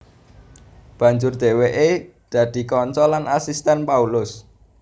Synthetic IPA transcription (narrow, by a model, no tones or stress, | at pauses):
b̥ä̤ɲd͡ʒʊrd̪̥e̤weʔe | d̪̥ä̤d̪̥i̤kɔnt͡ʃɔlanʔasist̪ɛnpaulʊs